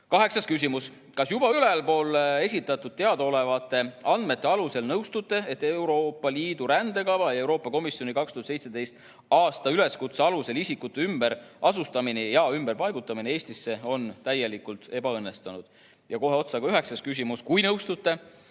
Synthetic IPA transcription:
kɑɦe̞ksɑskys̬ʲimus | kɑsjub̥ɑyle̞lpo̞ːle̞sʲit̪ːˑɑt̪ːˑud̪̥̚t̪e̞ɑd̪̥eole̞vɑt̪ːˑe̞ɑnd̪̥me̞t̪ːe̞ɑluse̞lnɤwst̪ut̪ːˑe̞et̪ːeuɾo̞ːpːɑliːd̪̥uɾænd̪̥e̞kɑvɑe̞wɾo̞ːpːˑɑko̞misjo̞nikɑkst̪uhɑt̪se̞jt̪se̞d̪̥e̞jst̪ | ɑːst̪ɑyle̞skut̪seɑluse̞lisikːˑut̪ːˑeymb̥eɾʔɑsust̪ɑminijɑymb̥e̞rpɑjɡ̥ut̪ːˑɑminee̞ːsʲt̪isːe̞o̞nt̪æje̞likult̪e̞bɑɤnːe̞st̪ɑnud̪̥ | jɑko̞ɦe̞o̞t̪sɑɡ̥ɑyɦe̞ksɑskys̬ʲimuskujnɤwst̪ut̪ːˑe̞

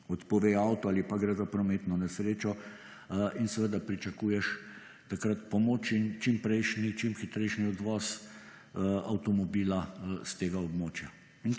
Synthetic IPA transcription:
ɔt̪pɔʋeːawt̪ɔaːlipaɡɾɛzapɾɔmeːt̪nɔnɛsɾeːt͡ʃɔ | insɛʋəd̪apɾit͡ʃɐkuːjɛʃ | t̪akɾat̪pɔmoːt͡ʃint͡ʃimpɾɛjʃnit͡ʃimxit̪ɾɛjʃniɔd̪ʋɔːs | awt̪ɔmɔbiːlast̪eːɡaɔbmoːt͡ʃja | in

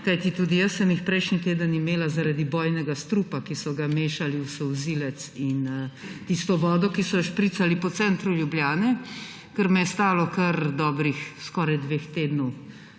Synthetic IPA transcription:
kajt̪it̪uːd̪ijəsːəmjixpɾɛjʃnit̪eːd̪ənimeːlazaɾaːd̪ibɔːjnɛɡast̪ɾuːpakisɔɡameːʃaliusɛwziːlɛt̪sint̪ist̪ɔʋɔːd̪ɔkisɔʃpɾiːt̪salipɔt̪sɛnt̪ɾuljubljaːnɛ | kəɾmɛjɛst̪aːlɔkɐɾd̪ɔːbɾixskɔːɾajd̪ʋext̪eːd̪nɔw

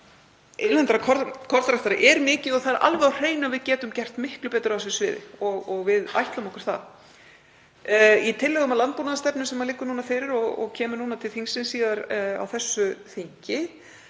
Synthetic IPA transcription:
ejnɛnt̪ɾakʰɔkʰɔɾt̪ɾaht̪aɾɪ̰ʔɛɾmɪːcɪðɔɣθaðɾʔa̰lvɛawr̥eːjnavɪðcɛːt̪ʏmcɛr̥t̪mɪhklʏpɛːt̪ɾʏasɛsvɪ̰ːðɪ̰ɔɣɔɣvɪða̰jht̪lamɔhkʏɾ̥θa̰ð | it̪ʰɪlːɛɣʏmalant̪̚puːnaðast̪ɛpnʏsɛmaðlɪːkːʏnuːnafɪːɾɪɾɔɣɔ̰ɣcʰɛːmʏɾnuːnat̪ʰɪlθiŋsɪnsiːðaɾa̰wθɛsːʏθiɲcɪ

